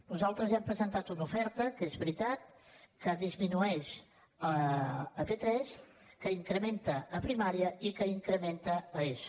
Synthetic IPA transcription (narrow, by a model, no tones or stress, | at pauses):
nuzalˠt̪ɾəzɛmpɾəzənt̪at̪unufɛɾt̪əkezβɾit̪at̪̚kəðizminuɛʃ | əː | pet̪ɾɛs | kəiŋkɾəment̪əːpɾimaɾiəikəiŋkɾəment̪əəeʃ